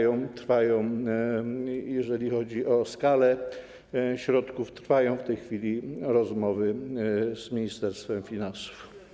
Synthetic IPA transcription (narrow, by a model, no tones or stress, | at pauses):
jɔ̃w̃t̪ɾfajɔ̃w̃ | jɛʐɛlʲixɔd͡ʑiʔɔskalɛ | ɕɾɔt̪kuft̪ɾfajɔ̃w̃ft̪ɛjxfʲilʲiɾɔzmɔvɘz̥mʲiɲist̪ɛɾst̪fɛmfʲinansu̥f